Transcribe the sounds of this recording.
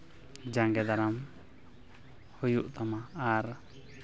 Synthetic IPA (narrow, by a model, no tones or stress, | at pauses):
d͡ʒaŋɡɛd̪aɾam | hujuʔt̪amaːɾ